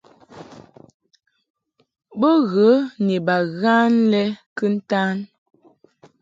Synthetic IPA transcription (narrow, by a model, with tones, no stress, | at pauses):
bə˦ɣə˨˦ni˨ba˨ɣa˦nlɛ˦kə˦n̩˦ta˦n